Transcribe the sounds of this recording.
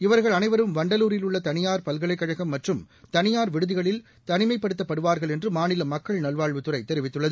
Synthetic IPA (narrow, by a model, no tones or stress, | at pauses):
ɪʋɐɾɣɐɭɐnɐɪʋɐɾɯmʋɐɳɖɐluːɾɪlʊɭːɐt̪ɐnɪjaːɾpɐlɣɐɭɐɪkːɐɻɐɣɐmːɐʈrɯm | t̪ɐnɪjaːɾʋɪɽɯðɪɣɐɭɪl | t̪ɐnɪmɐɪpːɐɽɯt̪ːɐpːɐɽɯʋaːɾɣɐɭɛndrɯmaːnɪlɐmɐkːɐɭnɐlʋaːɭʋɯt̪ɯɾɐɪt̪ːɛɾɪʋɪt̪ːɯɭːɐðɯ